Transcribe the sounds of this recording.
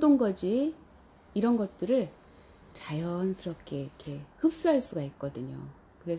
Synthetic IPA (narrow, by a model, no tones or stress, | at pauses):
doŋɡʌd͡ʑiː | ɾʌnɡʌt̚t͈ɯɾɯɭ | t͡ɕajʌnsʰɯɾʌp̚k͈ʰe̞ikʰe̞hɯp̚s͈ɯɦaɭs͈uɡaik̚k͈ʌdɯɲo̰ | kɯɾe̞sʰ